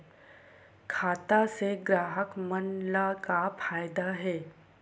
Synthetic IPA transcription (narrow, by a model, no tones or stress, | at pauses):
kʰaːt̪aseɡɾaːɦəkmənlakafʰaːjd̪aɦɛː